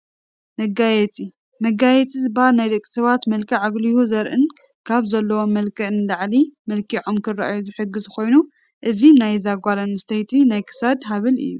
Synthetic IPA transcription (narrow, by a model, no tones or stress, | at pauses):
mɐɡajɛt͡sʼi | mɐɡajɛt͡sʼizɨbaalnajd̪ɐkʼi̥sɐβat̪mɐlkʰɨʕaɡlijuzɐɾʔɨn | kʰaβzɐlːɐwomɐlkʰɨʕnɨlaʕlimɐlkʰiʕomkʰɨraʔajuzɨħɨɡːɨzxo̞jnu | ʔɨzinajzaɡʷalɐnɨst̪ʰɐjt̪ʰinajkʰɨ̥sɐd̪ɦaβɨlɨ̰jːu